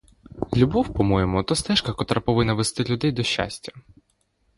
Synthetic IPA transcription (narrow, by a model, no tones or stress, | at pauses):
lʲubɔwpɔmɔjɛmʊt̪ɔst̪ɛʃkɐkɔt̪ɾapɔʋɪnːɐʋest̪ɪlʲʊd̪ɛjd̪ɔʃːa̰sʲtʲɐ̥